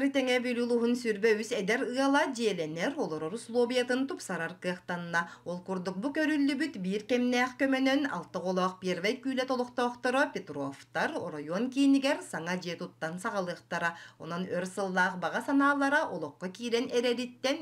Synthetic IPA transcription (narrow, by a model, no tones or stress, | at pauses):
ɾɯt̪ɛŋɛbylʲulˠuɦunsyɾbœwysɛd̪ɛɾɯalˠad͡ʒiɛlɛnɛɾɔlˠɔɾɔɾuslˠɔːbʲijat̪ɯnt̪upsaɾaɾkɯɐqt̪anːaolˠkuɾd̪uk̚bukœɾylːybyt̪biːɾkɛmnæːχkœmœnøna̰lˠt̪ɯʁɔlˠɔːq̚piɛɾvɛjkyːlɛt̪ɔlˠɔqt̪ɔːqt̪ɔɾɔpʲet̪rɔft̪aɾɔ̰ɾajɔnkiːniɡɛɾsaŋad͡ʑiɛt̪ut̪ːansaʁalˠɯːq̚t̪aɾaɔ̰nɔnøɾsɯlˠːaːqbaʁasanaːlˠaɾaʔɔlˠɔqːɔkiːlɛnɛɾɛɾit̪ːɛn